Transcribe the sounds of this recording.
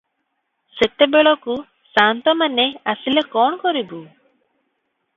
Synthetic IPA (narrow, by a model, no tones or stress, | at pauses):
set̪ebeɭɔku | sant̪ɔmaneasilekɔɳkɔɾibu